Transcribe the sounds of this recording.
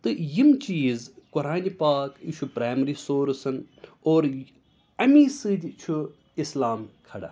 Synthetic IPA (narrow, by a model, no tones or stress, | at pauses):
t̪ɨjimt͡ʃiːzkʊɾaːnipaːkt͡ʃʰupɾaːjmɐɾisoːɾsɐn | oːɾ | ɐmiːsɨd̪ʲt͡ʃʰu | islaːmkʰɐɽa̰ː